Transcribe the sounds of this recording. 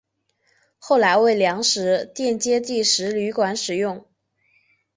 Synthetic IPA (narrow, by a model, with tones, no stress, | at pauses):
xo˥˩ʊla˧˥ɪwe˥˩ɪljɑ˧˥ŋʂɻ̩˧˥t̪jɛ˥˩˧nt͡ɕjɛ˥t͡ɕi˥˩ʂɻ̩˧˥ly˧˥kwa˧˥nʂɻ̩˨˩jʊ˥˩ŋ